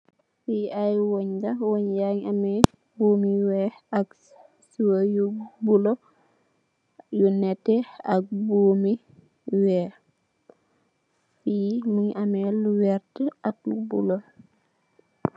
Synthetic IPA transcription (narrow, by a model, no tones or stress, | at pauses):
fiajwoɲɡawoɲjaŋamɛ | buːmiwɛak | suwajubulo | junɛtɛa̰k̚buːmi | wɛː | fimuɲamɛluwɛɾtəʔak̚lubṵlo